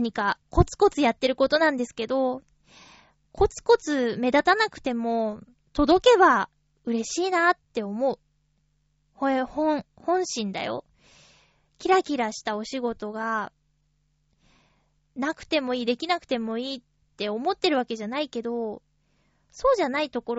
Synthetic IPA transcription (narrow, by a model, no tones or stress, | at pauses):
ɲ̟ikako̞t͡sɨ̥ko̞t͡sɨjat̪ːe̞ɾɯ̟ko̞t̪o̞nãnd̪e̞sɨ̥ke̞d̪o̞ | ko̞t͡sɨ̥ko̞t͡sɨme̞d̪at̪anakɯ̟̥t̪e̞mo̞ | t̪o̞d̪o̞ke̞βa | ɯ̟ɾe̞ɕiːnat̪ːe̞omo̞ɯ̟ | hohõɴ | hõ̞ɰ̃ɕĩnd̪a̰jo̞̰ | kʲiɾakʲiɾaɕi̥t̪ao̞ɕiɡo̞t̪o̞ɡa | nakɯ̟̥t̪e̞mo̞iːd̪e̞kʲinakɯ̟̥t̪e̞mo̞iː | e̞o̞mo̞t̪ːe̞ɾɯ̟βake̞ʑanaike̞d̪o̞ | so̞ːʑanait̪o̞ko̞ɾ